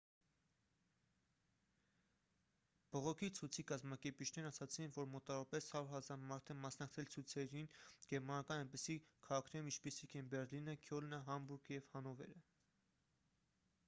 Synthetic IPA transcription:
b̥ɔʁɔkʰit͡sʰujt͡sʰikɑzmɑkɛɾpit͡ʃʰnɛɾɑsɑt͡sʰinvɔɾmɔt̪ɑɾɑpɛshɑɾuɾhɑzɑɾmɑɾt̪ʰɛmɑsnɑk̚t͡sʰɛlt͡sʰujt͡sʰɛɾinɡɛɾmɑnɑkɑnɛjnpisikʰɑʁɑkʰnɛɾumint͡ʃʰpisikʰɛnbɛɾlinəkʰjɔlnəɦɑmbuɾɡəjɛvhɑnɔvɛ̰ɾə

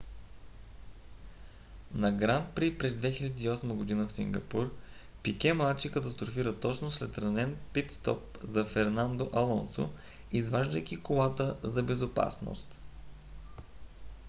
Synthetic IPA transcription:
nɐɡɾant̪̚pɾipɾɛzd̪vɛxilʲɛd̪iːɔsməɡʊd̪inəfsḭŋɡɐpuɾ | pikʲɛmlˠat̪t͡ʃikət̪ɐst̪ɾofiɾət̪ɔt͡ʃnoslɛt̪ɾɐnɛnpit̪st̪ɔ̰p̚ | zɐfɛɾnand̪oʔɐlˠɔnso̰ | izvaʒd̪əjkʲikolˠat̪əzɐbɛzopa̰sno̰st̪

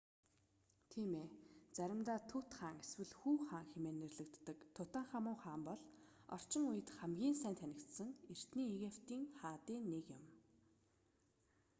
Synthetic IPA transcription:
t̪ʰiːmeːt͡sæɾʲɪ̆mt̪aːt̪ʰut̪χaːŋeswɘ̆ɮxuːχaːŋxemeːnːerɮɘ̆kt̪ːə̆kt̪ʰʊt̪aːɴχamʊːχaːmpɔɮ | ɔ̰r̥t͡ɕɪ̆ŋujɘ̆t̪χæmɡʲiːnsæːnt̪ʰænʲɪ̆kt̪sə̆ŋer̥t̪niːeɣew̥t̪iːŋχaːt̪iːnːekjɪ̆m

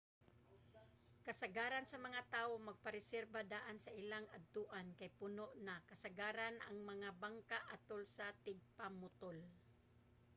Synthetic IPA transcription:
kɐsaɡaːɾansɐmɐŋat̪aːʔomɐɡ̚paɾɪsɛɾbad̪aːʔansɐʔɪlaŋad̪̚t̪uʔankajpʊnoʔnakɐsaɡaːɾanʔa̰ŋmɐŋabaŋkaʔat̪olsat̪ɪɡ̚pamʊt̪ol

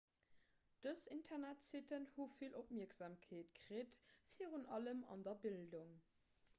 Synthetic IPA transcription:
d̥əsintʰɛnætsitənhufilʔop̚miːɐkz̥aːmkʰeːtkʀeːtfiːʁunɑləmɑ̰ndɐbilduŋ

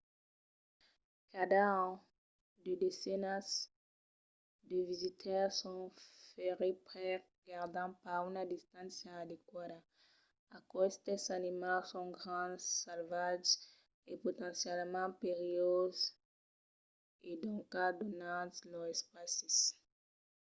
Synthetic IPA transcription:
kad̪ã | d̪ed̪esɛnas | d̪əvizit̪ʰɛʁsɔ̃feʁepʁɛ | ɡaʁd̪ɑ̃paʁynad̪ist̪ãnsjaːd̪ekwad̪a | akɔst̪esanimasɔ̃ɡʁɑ̃salvaʒ | epot̪ɑ̃sjɛlmɑ̃peʁioz | ed̪ɔ̃kad̪onãzlɔzɛspasis

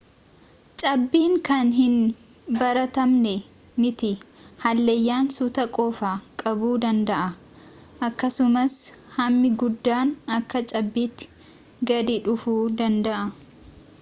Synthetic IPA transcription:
t͡ʃʼɐbːiːŋkɐnɦɪn | bɐɾɐt̪ɐmnɛ | mɪt̪ɪhɐlːejːaːnsʊt̪ɐkʼoːfaːkʼɐbuːd̪ɐnd̪ɐʔɐ | ʔɐkːɐsʊmɐshɐmːɪɡʊd̪ːaːnɐkːɐt͡ʃʼɐbːiːt̪ːɪ̥ | ɡɐd̪ɪᶑʊfuːd̪ɐnd̪ɐʔɐ

